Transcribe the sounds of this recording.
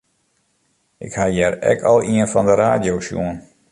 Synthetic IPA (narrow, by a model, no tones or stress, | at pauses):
ʔɪkhajɛrɛ̰kʰɔlˠiənfɑndəɾaːdjowsjṵən